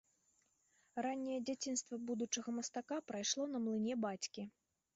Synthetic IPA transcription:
ranʲːɛjɛd͡zʲat͡sʲin̪st̪vɐbud̪ut͡ʂɐɣɐmɐst̪akapɾajʂlˠɔn̪ɐmlˠɨnʲɛbat͡sʲkʲi

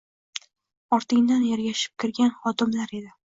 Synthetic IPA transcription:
ɒɾt̪ʰɪŋd̪anjaɾɡʲaʃɪ̥p̚kʲʰɪɾɡʲanχɒt̪ɪmlaɾe̞d̪ɪ

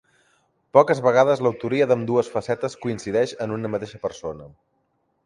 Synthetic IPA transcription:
pɔkəzβəɣ̞aðəzləwt̪uɾiəðəmd̪uəsfəsɛt̪əskuinsiðɛʃənunəmət̪eʃəpəɾsonə

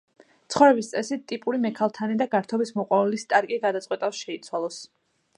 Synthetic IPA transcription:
t̪sʰχɔvɾɛbist̪sʼɛsit̪ʼipʼuɾimɛkʰalˠt̪ʰanid̪aɡaɾt̪ʰɔbismɔqʼwavɛlist̪ʼaɾkʼiɡad̪at̪sʼwɛt̪ʼafsʃɛit̪sʰwalˠɔs

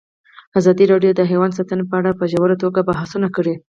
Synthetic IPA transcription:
azɑd̪iɾɑɖjod̪əɦewand̪sɑt̪ənepəaɽapəʒawəɾat̪oɡabaɦasunakəɽi

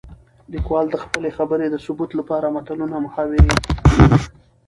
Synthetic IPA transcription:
likwɑld̪əxpəlexabəɾed̪əsʊbut̪lapɑɾamat̪alunamʊxɑwɪɾi

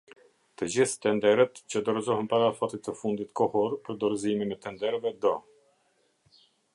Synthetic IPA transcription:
t̪əd͡ʑiθt̪ɛnd̪ɛɾət̪t͡ɕəd̪ɔɾzɔɦɛnpaɾafɔt̪it̪əfund̪it̪kɔhɔɾpəɾd̪ɔɾzimimɛt̪ɛnd̪ɛɾvɛd̪ɔ

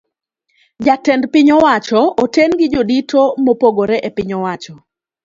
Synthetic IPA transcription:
d͡ʒatɛndpɪɲɔwat͡ʃɔotɛnɡɪd͡ʒoditʰomopoɡoɾɛʔɛpɪɲɔwat͡ʃɔ

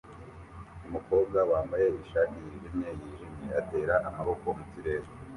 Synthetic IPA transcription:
umuko̞ːb̚ɡawaːmbaje̞iʃakijiːʒimɲe̞jiːʒimɲeate̞ːɾaʔamaβo̞ko̞mutiɾe̞ːɾe

